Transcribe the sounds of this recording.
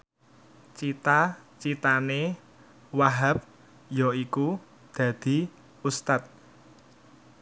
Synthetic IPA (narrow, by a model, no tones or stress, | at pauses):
t͡ʃit̪at͡ʃit̪ane | waɦap̚ | jɔiku | d̪̥ä̤d̪̥i̤ | ust̪at̪̚